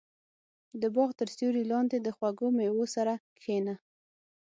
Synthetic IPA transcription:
d̪əbɑɣt̪əɾst̪uɾilɑnd̪ed̪əxwaɡomewosaɾakxena

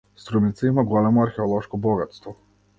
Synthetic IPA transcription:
st̪ɾumit̪saimaɡɔlɛmɔaɾxɛɔlˠɔʃkɔbɔɡat̪st̪vɔ

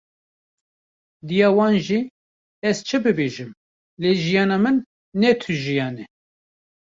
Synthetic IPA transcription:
d̪ijɑːwɑːnʒi | ɛzt͡ʃʰɨbɨbeːʒɨm | leːʒijɑːnɑːmɨnː | ɛt̪ʰɨʒijɑːnɛ

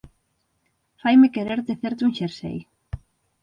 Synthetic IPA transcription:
fajmekeɾeɾt̪eθeɾt̪ũŋʃeɾsḛj

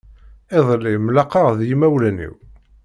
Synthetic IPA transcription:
eðˤlːimlɑqɑʁðjimæwlænḭw

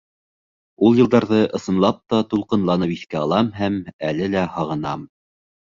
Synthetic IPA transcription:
ulˠjɤ̆lˠd̪ɑɾðɤʔɤ̆sɤ̆nlˠɑp̚t̪ɑt̪ulˠqɤ̆nlˠɑnɤpiθkæɑlˠɑmɦæmælɘlæhɑʁɤ̆nɑ̰m

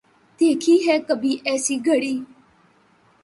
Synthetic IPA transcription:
t̪ekʰiːɦɛkəbʱiːʔɛsiːɡʱəɽiː

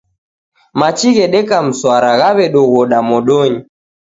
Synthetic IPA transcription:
mat͡ʃiɣɛɗɛkam̩swaɾaɣaβɛɗɔɣɔɗamɔɗɔɲi

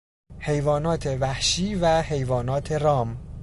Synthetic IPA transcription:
he̞jvɒːnɒːt̪ʰe̞væhʃiːvæhe̞jvɒːnɒːt̪ʰeɾɒːm

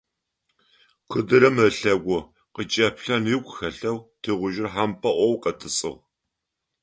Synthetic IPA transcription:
qʷʰɨdɨɾɐmɐɬɐɡʷʊ | qət͡ʃʼɐpɬɐnɪkʷʼxɐɬɐwtʰiːʁʷʊʒɪrħampʰʼɐʔʷɔwqɐtʰɨsʼɨ̰ʁ

